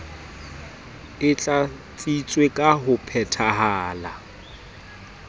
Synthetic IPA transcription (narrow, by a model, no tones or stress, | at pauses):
ɪt͡ɬʼa | t͡sʼit͡sʼwekʼaɦʊpʰɛtʰaɦaːla